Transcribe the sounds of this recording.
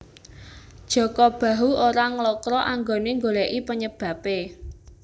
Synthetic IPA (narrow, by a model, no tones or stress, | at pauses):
d̥ʒ̥ɔ̤kɔb̥ä̤ɦuoɾaŋlɔkɾɔʔaŋɡoneŋɡolɛʔipəɲəb̥ä̤pe